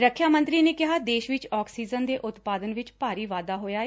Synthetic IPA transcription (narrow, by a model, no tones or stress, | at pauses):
ɾəkʰjaːmə̃nt̪ɾiːneːkɪɦaːd̪eːʃʋɪt͡ʃɔːksiːzənd̪eːʔʊt̪paːd̪ənʋɪt͡ʃpaːɾiːʋaːd̪aːɦoːjaːeː